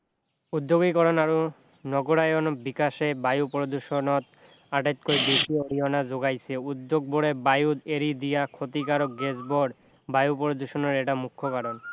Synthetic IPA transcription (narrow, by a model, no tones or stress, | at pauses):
ud̪ːoɡikɔɾɔnaɾu | nɔɡoɾajonbikaʃebajupɾod̪uʃonot̪ | aʈet̪̚kojbeʃioɽiɔnazoɡajsʰeud̪ːoɡ̚boɽebajud̪eɾid̪ijakʰot̪ikaɾoɡed͡ʑboɖ | bajupɔɾod̪uʃonɔɾeʈamukʰːokaɾon